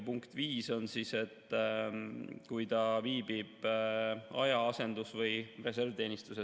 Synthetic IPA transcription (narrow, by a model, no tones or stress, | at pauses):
puŋkt̪viːso̞nsise̞t̪ːˑ | kujt̪ɑviːb̥ib̥ | ɑjɑɑse̞nd̪̥usvɤjre̞s̬e̞rvt̪e̞ːnist̪use